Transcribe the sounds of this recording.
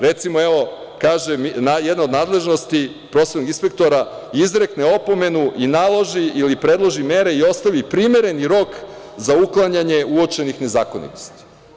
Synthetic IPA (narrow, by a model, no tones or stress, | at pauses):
ɾe̞t̪simoeʋo̞ | kaːʒemnajed̪nao̞d̪naːd̪lˠe̞ʒno̞st̪i | pɾo̞set̪noɡinspek̚t̪o̞ɾa | izɾe̞kneo̞po̞me̞nuʔinalˠo̞ʒiilipɾe̞d̪lˠo̞ʒime̞ɾe̞io̞st̪aʋipɾimeɾe̞niɾo̞kzauklˠaɲaɲe̞uo̞t͡ʃe̞nixne̞zaːko̞nḭt̪ost̪i̥